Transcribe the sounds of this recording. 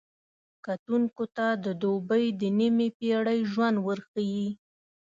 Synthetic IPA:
kat̪uŋkot̪ad̪əd̪obəjd̪ənimepeɽəjʒwand̪wəɾxaji

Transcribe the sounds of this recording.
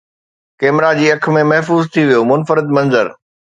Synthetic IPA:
kɛːmɾad͡ʑiːɐk̆ʰmẽmɐɦfuːzt̪ʰiʋijomʊnfəɾɪd̪mɐ̃nzəɾ

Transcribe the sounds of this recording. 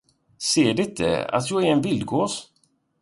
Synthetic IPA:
seːɖɪɪt̪̚d̪ɛ̰a̰t̪jɑːɡɛɾɛnvɪld̪̚ɡoːs

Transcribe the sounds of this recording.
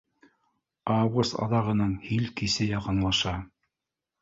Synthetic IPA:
ɑwɡust̪ɑ̰ðɑʁɤ̆nɤɴhilkisɘjɑqɤ̆nlˠɑʃɑ

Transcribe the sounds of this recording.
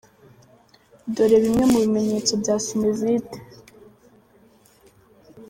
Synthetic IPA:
doɾe̞βimŋe̞muβime̞ɲe̞ːt͡so̞bɟaːsimezite̥

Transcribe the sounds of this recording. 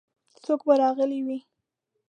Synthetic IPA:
sokbaɾɑɣəliwi

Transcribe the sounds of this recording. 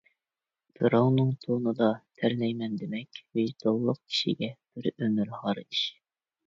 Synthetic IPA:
b̪̥ɨɾownɨŋt̪ʰonɨd̪ɑt̪ʰæɾlɛjmɛnd̪emɛkʲvɪd̪̥olˠːʊq̚kʲʰi̥ʃḭɡʲɛb̥ɪɾømyɾhɑɾɨd̪ɨʃ

